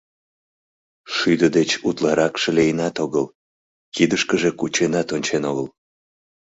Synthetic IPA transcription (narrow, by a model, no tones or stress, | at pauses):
ʃyd̪əd̪et͡ɕut̪lɑɾɑkʃəlejənɑt̪oɣəl | kid̪əʃkəʒekut͡ɕenɑt̪onʲt͡ɕenoɣəl